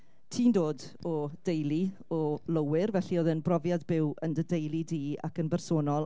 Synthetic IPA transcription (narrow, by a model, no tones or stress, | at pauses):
tʰiːndoːd | ɔd̥ejlˠi | ɔlˠəwɪrvɛɬioːðɪnbrɔvjadbɪwəndədejlˠidiːa̰kənbɛrsoːnɔlˠ